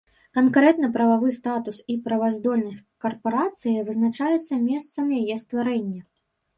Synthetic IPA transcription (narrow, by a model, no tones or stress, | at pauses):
kankɾɛt̪nɐpɾɐvavɨst̪at̪usipɾɐvazd̪ɔlʲnɐsʲtʲkɐrpɐɾat̪sɨjɐvɨznat͡ʂajɛt̪sːɐmʲɛst̪sɐmjajɛst̪vaɾɛnʲːɐ